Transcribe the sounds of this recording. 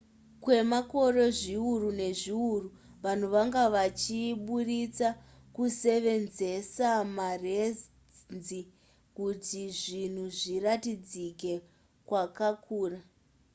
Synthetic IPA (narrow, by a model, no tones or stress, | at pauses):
kwe̞mako̞ro̞ʐiurune̞ʐiuru | ʋan̤uʋaŋɡaʋat͡ʃiɓurit͡sa | kuse̞ʋe̞nze̞samare̞ | nd͡zzi | kutiʐin̤uʐiratid͡zike̞ | kwakakʰuːra